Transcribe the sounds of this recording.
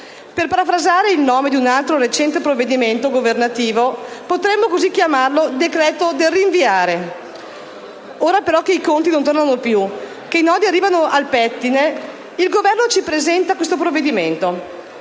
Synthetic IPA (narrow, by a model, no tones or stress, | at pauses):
perpaɾafɾazaːɾeilnɔːmed̪iunalt̪ɾoɾet͡ʃɛnt̪epɾovːed̪iment̪oɡovernat̪iːvopot̪ɾɛmːokozikːjamarlod̪ekɾɛːt̪od̪elːiːɱviaːɾe | oːɾapeɾɔk̟eikont̪inont̪ornanopju | keinɔːd̪iarːiːvanoʔalpɛt̪ːine | ilɡovɛrnot͡ʃipɾezɛnt̪akwest̪opɾovːed̪iment̪o